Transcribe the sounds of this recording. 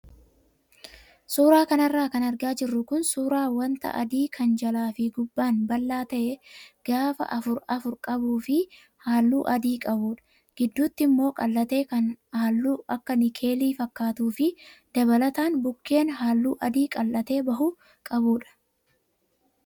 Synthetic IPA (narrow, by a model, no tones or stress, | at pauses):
suːɾaːkɐnɐrːaːkɐnɐɾɡaːd͡ʒɪrːʊkʊnsuːɾaːwɐnt̪ɐ̰ʔɐ̰d̪iːkʰɐnd͡ʒɐlaːfɪɡʊbːaːnbɐlːaːt̪ɐʔɛɡ̥aːfɐ̰ʔɐfʊɾɐfʊɾkʼɐbuːfɪ | haːlːuːʔɐd̪iːkʼɐbuːᶑɐ̥ | ɡ̥ɪd̪ːuːt̪ːɪmːo̞ːkʼɐlːɐt̪e̞ːkɐnhaːlːuːʔɐkːɐnɪkʰe̞ːliːfɐkːaːt̪uːfɪd̪̥ɐβɐlɐt̪aːnbʊkːe̞ːnɦaːlːuːʔɐd̪iːkʼɐlːɐt̪e̞ːbɐɦʊ | kʼɐbuːᶑɐ̥